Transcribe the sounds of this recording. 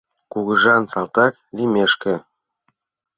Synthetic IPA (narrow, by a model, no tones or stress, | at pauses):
kuɣɤ̆ʐɑnsɑlt̪ɑklʲimʲeʃkɘ̆